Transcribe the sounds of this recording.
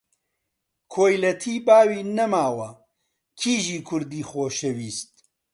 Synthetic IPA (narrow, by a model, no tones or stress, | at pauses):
kʰoːjlɐt̪ʰiːbaːwiːnɐmaːwɐ | kʰiːʒiːkʰʊɾd̪iːxoːʃɐwiːst̪̚